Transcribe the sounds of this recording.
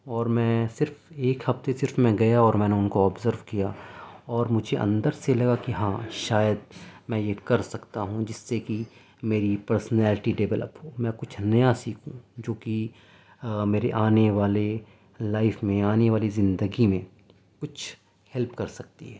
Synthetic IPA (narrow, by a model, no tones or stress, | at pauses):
ɔːɾmɛ̃ːsɪɾfeːkhɐft̪esɪɾfmɛ̃ɡɐjaɔːɾmɛ̃ːneʊnkoɔːbzəɾʋkijaɔːɾmʊd͡ʒʱeʔɐ̰̃nd̪əɾselɐɡakiɦãːʃaːjəd̪̚mɛ̃jekɐɾsɐkt̪aɦũd͡ʒɪsːeki | meːɾipəɾsnɛːlɪʈiɖɛʋɛlə̰pɦoːmɛ̃ːkʊt͡ʃʰnɐjasiːkʰũd͡ʒoːki | meːɾeʔaːneʋaːle | laːɪfmẽaːneʋaːlizɪ̃nd̪əɡimẽ | kʊt͡ʃʰ | hɛlpkɐɾsɐk̚t̪ḭɦɛː